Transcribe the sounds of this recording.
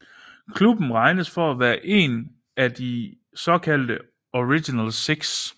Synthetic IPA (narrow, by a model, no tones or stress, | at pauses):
kʰlub̥n̩ʁɑ̈ɪnəsfɒ̽æʋæːɐʔe̝̰n | æd̥i | sɒ̽kʰæl̰d̥ə | oʁiɡ̥inælseɡ̥s